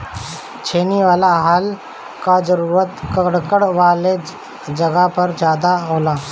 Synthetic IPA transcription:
t͡ʃʰeːniʋaːlaɦaːl | kad͡ʒəɾuːɾət̪kəɽkəɽʋaːle | d͡ʒəɡapəɾd͡ʒjaːd̪aɦoːlaː

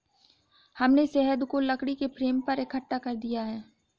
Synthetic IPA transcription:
hɐmnesɛɦəd̪kolɐkɽikepɾeːmpɐɾɪkʰəʈːakɐɾd̪ijaɦɛː

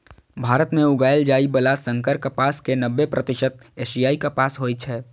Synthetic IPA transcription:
bʱaːɾət̪mẽʊɡaːjld͡ʒaːibəlasə̃ŋkəɾkəpaːskenəbːepɾʔət̪ɪʃət̪̚eːʃijaːikapaːsɦoːjt͡ʃʰɛː

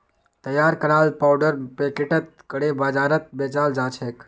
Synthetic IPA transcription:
t̪əjːaːɾkəɾaːlpawɖəɾpekeʈət̪̚kəɽebaːd͡ʒaːɾət̪̚beːt͡ʃaːld͡ʒaːt͡ʃʰeːk

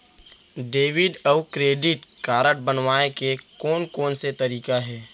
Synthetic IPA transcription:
ɖeːʋɪɖɔʊkɾeːɖɪʈ | kaːɾəʈ̚bənwaːẽkekɔːnkɔːnset̪ɐɾiːkaɦɛː

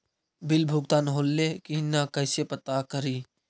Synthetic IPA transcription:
bɪlbʱʊɡ̚t̪aːnɦoːlːekinakəːsepət̪akəɾiː

